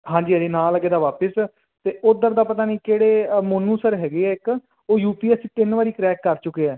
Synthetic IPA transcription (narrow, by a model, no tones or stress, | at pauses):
ɦãːɲd͡ʒiːəd͡ʒeːnaːləɡeːd̪aːʋaːpəs | t̪eːʔʊd̪əɾd̪aːpət̪aːnĩːkeːɽeːmənũːsəɾɦɛːɡeːɛːɪk | oːjuːpiːɛsːt̪ɪnʋaːɾiːkɾɛːkːəɾt͡ʃʊkːeːɛː